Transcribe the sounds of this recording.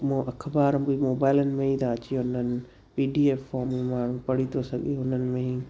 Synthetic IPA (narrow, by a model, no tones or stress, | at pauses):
mõʔɐkʰbaːɾ̃bimoːbaːɪlənɪ̆mẽĩt̪ʰaɐt͡ɕijõɦʊnənɪ̆ | piːɖiːeːfɔːɾmẽmaːɳ̤ũpɐɽ̤it̪ʰosɐɠiõʊnənɪ̆mẽĩː